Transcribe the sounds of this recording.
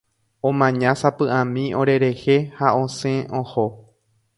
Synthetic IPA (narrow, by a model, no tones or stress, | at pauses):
õmãɲãsapɨʔãmĩʔõ̞ɾe̞ɾe̞he̞haõ̞sẽõho